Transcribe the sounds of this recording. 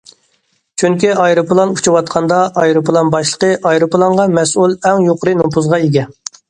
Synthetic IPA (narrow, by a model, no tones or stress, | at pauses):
t͡ʃʰyŋkʲiɑjɾɨplˠɑnut͡ʃʰuwɑt̪̚qʰɑnd̪ɑɑjɾɨpʰlˠɑnbɑʃlˠə̥qəʔɑjɾɨplˠɑŋʁɑmɛsulˠɛŋjoqʰəɾɨnopuzʁɑeɡʲɛ